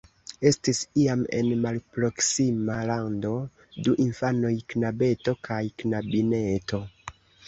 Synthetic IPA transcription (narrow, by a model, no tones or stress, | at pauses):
e̞stisiame̞̰nmalpɾo̞ksimalando̞ | duʔinfano̞jknabe̞to̞kʰajknabine̞to̞